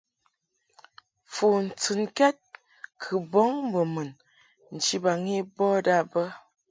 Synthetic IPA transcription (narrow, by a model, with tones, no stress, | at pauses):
fu˨n̩˨t͡sɨ˨nkɛ˦t̚ | kʰə˨bɔ˦ŋ˦bə˨mə˨n | n̩˨t͡ʃi˦ba˨ŋi˦bɔ˦da˦˨bə˦